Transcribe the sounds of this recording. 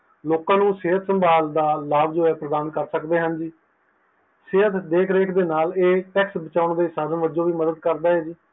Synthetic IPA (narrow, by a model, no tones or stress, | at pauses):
loːkãːnũːseːət̪ʰsəmbaːld̪aːlaːbd͡ʒoːɛːpɾəd̪aːnkəɾsəkd̪eːɦənd͡ʒiː | seːət̪d̪eːkʰɾeːkʰd̪eːnaːleːʈɛːksbət͡ʃaːʊɳd̪eːsaːd̪ənʋəd͡ʒõːʋiːməd̪əd̪kəɾd̪aːɦɛːd͡ʒiː